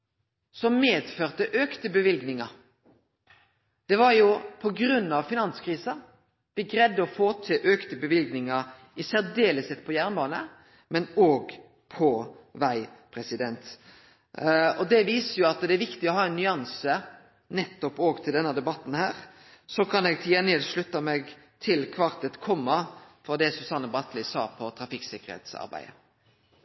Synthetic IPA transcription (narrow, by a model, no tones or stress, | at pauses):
sɔmmeːd̪føːʁt̪əʔøːkt̪əbəʋɪlɡnɪŋɑ | d̪̥ɛʋɑɾjʊpʰɔɡɾʉnːɑʋfɪnɑnskʰʁiːsɑ | b̥ɪɡɾɛd̪ːəɔfoːt̪ʰɪlʔøːkt̪əbəʋɪlɡnɪŋɑ | ɪsæʁd̪eːləsɛt̪ːpʰɔjæʁnbɑːnə̰ | mɛnoːɡ | pʰɔʋæɪpʰɾɛsɪd̪ɛnt̪ | ɔd̪ɛʋiːsəjʊɑt̪d̪ɛæɾʋɪkt̪ɪɔhɑːɛnːʏɑnsə | nɛt̪ːɔpoːɡt̪ʰɪld̪ɛnːɑd̪ɛbɑt̪ːn̩hæːɾ | sɔkʰɑnɛɡ̚t̪ʰɪɛnɛːlʂɭʉt̪ːɑmɛɡ | t̪ʰɪlkʰʋɑʁt̪ət̪kʰɔmːɑfɔʁd̪ɛsʉsɑnːəbɑt̪lɪsɑ̰ːpʰɔt̪ʰɾɑfɪksɪkːəʁhḛːt̪sɑ̰ɾbæ̰ɪə̰